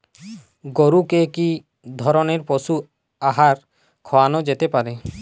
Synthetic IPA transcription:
ɡoɾukeki | d̪ʱɔɾɔneɾpɔsu | aɦaɾ | kʰɔwanɔd͡ʒet̪epaɾe

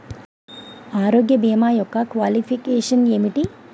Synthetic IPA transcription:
aːɾoːɡjɐbeːmaːjɔkːɐkʋaːlipʰikeːʂɐnemiʈi

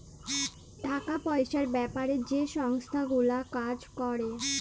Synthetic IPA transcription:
ɖʱakapɔeʃaɾbɛpaɾed͡ʑeʃɔŋst̪ʰaɡulakad͡ʑkɔɾe

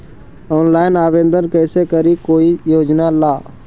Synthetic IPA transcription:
ɔːnlaːɪnaːʋẽːnd̪ənkɛːsekəɾikoːijoːd͡ʒnalaː

